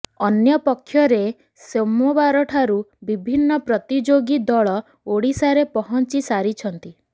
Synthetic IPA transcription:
ɔnjɔpɔkʰːjɔɾe | semɔbaɾɔʈʰaɾubibʱinːɔpɾɔt̪id͡ʒoɡid̪ɔɭɔ | oɽisaɾepɔɦɔnt͡ʃisaɾit͡ʃʰɔnt̪i

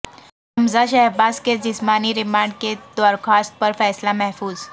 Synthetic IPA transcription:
əmd͡zaɕɛɦbasked͡ʑismaniɾimaɳɖ̚ked̪ʋəɾkʰast̪̚pəɾfɛslamɛɦfuːz

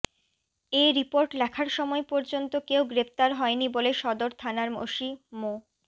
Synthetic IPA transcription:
eɾipoɾʈlɛkʰaɾʃɔmɔepɔɾd͡ʑont̪okewɡɾept̪aɾɦɔeniboleʃɔd̪oɾt̪ʰanaɾmo̰ʃimo

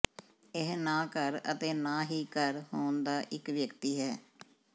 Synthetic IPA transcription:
ɪɦnaːkəɾə̰t̪eːnaːɦiːkəɾhoːnd̪aːʔɪkʋjəkt̪iːɦɛː

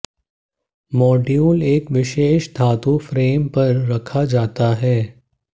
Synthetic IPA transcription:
mɔːɖijuːleːkʋɪʃeːʃd̪ʱaːt̪ũfɾeːmpɐɾːɐkʰad͡ʒaːt̪aɦɛː

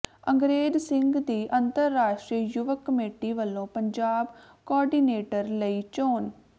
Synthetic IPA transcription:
əŋɡɾeːd͡ʒsɪŋɡd̪iːʔənt̪əɾːaːʃʈɾiːjʊʋəkːəmeːʈiːʋəlːõːpəɲd͡ʒaːb | kɔːɾɖiːneːʈəɾləiːt͡ʃoːn

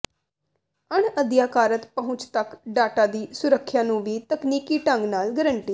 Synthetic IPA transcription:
əɳəd̪jaːkaːɾət̪pəɦʊ̃t͡ʃt̪əkɖaːʈaːd̪iːsʊɾəkʰːjaːnũːʋiːt̪əkniːkiːʈə̃ŋɡnaːlɡəɾəɳʈiː

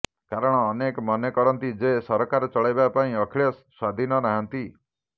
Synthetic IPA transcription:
kaɾɔɽ̃ɔːnekɔmɔnekɔɾɔnt̪id͡ʒesɔɾɔkaɾɔt͡ʃɔɭajbapaĩɔkʰiɭjɔsswad̪ʱinɔnaɦant̪i

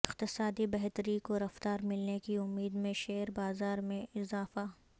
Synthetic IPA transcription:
ɪqt̪ɪsaːd̪ibɛɦt̪əɾikoɾɐft̪aːɾmɪlnekiʊmːiːd̪mẽʃeːɾbaːzaːɾmẽɪzaːfa

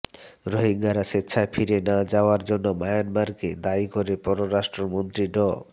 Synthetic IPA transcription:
ɾoɦiŋɡaɾaʃetːɕʰafʰiɾenad͡ʑaoaɾd͡ʑonːobajanbaɾked̪aikoɾepɔɾoɾaʃʈɾomont̪ɾiɖɔ

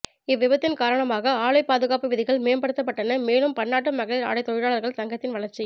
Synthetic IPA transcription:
ɪʋːɪʋɐt̪ːɪnkaːɾɐɳɐmaːɣɐaːɭɐɪpaːðɯɣaːpɯʋɪðɪɣɐɭmeːmbɐɽɯt̪ːɐp̬ːɐʈːɐnɐmeːnɯmpɐɳːaːʈ̬ːɯmɐɣɐɭɪɾa̰ːɽɐɪt̪ːɔɻɪɽaːɭɐɾɣɐɭsɐŋɡɐt̪ːɪnʋɐɭɐɾt͡ʃi

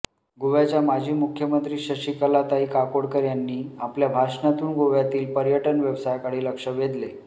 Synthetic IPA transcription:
ɡoʋjat͡ɕjamad͡ʑʱiːmukʰjəmənt̪ɾiːɕəɕikalat̪aɦiːkakoɽkəɾjanːiːapljabʱaʂɳat̪uːnɡoʋjat̪iːlpəɾjəʈənʋeʋsajkaɽ̤iːləkʂəʋed̪le

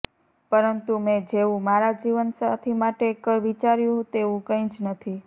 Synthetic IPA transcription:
pəɾənt̪umɛ̃d͡ʒeũmaɾad͡ʒiʋənsat̪ʰimaʈekːəɾʋit͡ʃaɾjũɦũt̪eʋũkə̃ĩt͡ʃnət̪ʰi

